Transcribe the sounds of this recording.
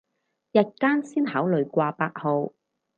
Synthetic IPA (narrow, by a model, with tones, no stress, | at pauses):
jɐ˨t̚kaː˥nsiː˥nhaː˨˥wlɵ˨ɥkʷaː˧paː˧k̚ho˨˧w